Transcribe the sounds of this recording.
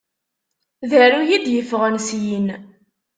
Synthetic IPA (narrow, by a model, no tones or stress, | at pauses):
ðəɾujid̪jəfʁənsjin